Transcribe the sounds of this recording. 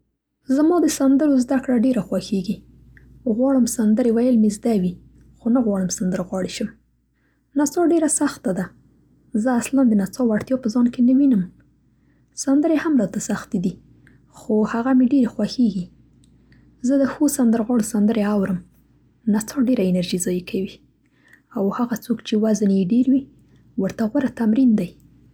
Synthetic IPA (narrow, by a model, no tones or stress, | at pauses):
zamɑd̪əsand̪əɾozd̪akɽaɖeɾaxwaxeɡi | ɣwɑɽəmsand̪əɾewajəlmezd̪awi | xonaɣwɑɽəmsand̪əɾɣwɑɽeʃəm | nasɑɖeɾasaxt̪ad̪a | zəasland̪ənasɑwaɽt̪jɑpəzɑnkenəwinəm | sand̪əɾehamɾɑt̪asaxt̪id̪i | xohaɣameɖeɾexwaxeɡi | zəd̪əxosand̪əɾɣɑɽosand̪əɾeawɾəm | nasɑɖeɾaɪnaɾʒizɑjikʰawi | awhaɣat͡sokt͡ʃewaznejeɖeɾwi | wəɾt̪aɣwaɾat̪amɾind̪aj